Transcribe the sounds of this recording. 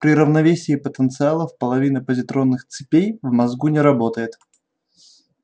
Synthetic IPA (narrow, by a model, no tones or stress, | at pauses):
pɾʲɪɾəvnɐvʲesʲɪːpət̪ənt̪sɨalˠəfpəlˠɐvʲinəpəzʲɪt̪ɾo̞nːɨxt̪sɨpʲejvmɐzɡunʲɪɾɐbo̞t̪əjɪt̪